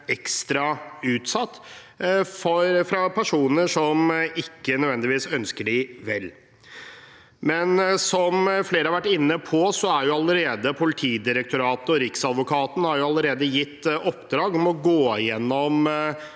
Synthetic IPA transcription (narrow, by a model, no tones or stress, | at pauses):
ɛkst̪ɾɑʉːt̪sɑt̪ː | fɔɾfɾɑpʰæʂuːnəʂɔmɪkːənœdʋɛnd̪ɪʋiːsœnskəɖɪʋɛlː | mɛnsɔmfleːɾəhɑɾʋæʈːɪnːəpʰɔsɔæɾjʊɑləɾeːd̪əpʰʊlɪt̪ʰiːd̪ɪɾək̚t̪ʊɾɑːt̪ɔɾɪksɑd̪ʋʊkʰɑːt̪n̩hɑɾjʊɑləɾeːd̪əjɪt̪ːɔpd̪ɾɑːɡɔmɔɡoːjɛnːɔm